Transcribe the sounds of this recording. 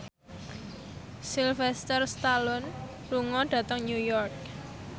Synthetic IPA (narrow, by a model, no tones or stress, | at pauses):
silfɛst̪ərst̪alɔn | ruŋɔɖ̥ä̤t̪əŋnjujɔrk̚